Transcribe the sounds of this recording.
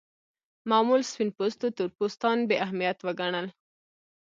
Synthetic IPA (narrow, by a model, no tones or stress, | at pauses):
mɑmulspinpost̪ot̪uɾpust̪ɑnbeʔahmijat̪wəɡaɳəl